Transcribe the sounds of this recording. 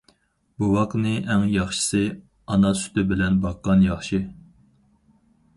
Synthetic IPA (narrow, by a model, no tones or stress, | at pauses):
buwɑqnɨʔæŋjɑχʃə̥sɨ | ɑnɑsy̥t̪ɪbɪlɛnbɑqːɑnjɑχʃi